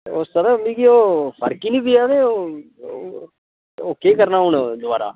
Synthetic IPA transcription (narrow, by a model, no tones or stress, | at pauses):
ost̪əɾəmĩːɡioːpʰə̰ɾkiːnĩːbiaːʋeːo | oːkeːkəɾnaːɦʊɳd̪ʊʋaːɾa̰ː